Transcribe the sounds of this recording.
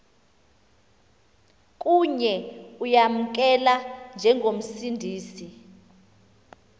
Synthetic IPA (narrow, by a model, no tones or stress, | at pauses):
k̬ʼuɲɛujam̩k̬ɛland͡ʒʱɛŋʱom̩sindʱiːsi